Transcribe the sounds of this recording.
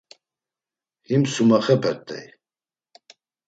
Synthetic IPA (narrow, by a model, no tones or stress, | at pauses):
himsumaχɛpʰɛt̪ʼːɛ̰j